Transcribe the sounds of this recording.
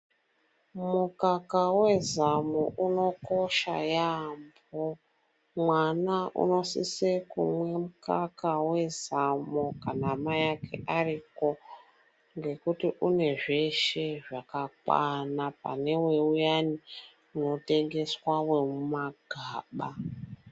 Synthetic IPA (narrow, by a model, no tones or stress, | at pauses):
mukakawe̞zamoʔuno̞ko̞ʃa̰jambo | mwanaʔṵno̞sḭsekṵmwe̞mukakawe̞zamokanamajakʰe̞̰ʔariko̞ | ŋɡe̞kutiʔune̞ʐe̞ʃeʐakakwa̰napa̰ne̞we̞ujani | uno̞te̞ŋɡe̞swawe̞mumaɡ̥ʱaːɓa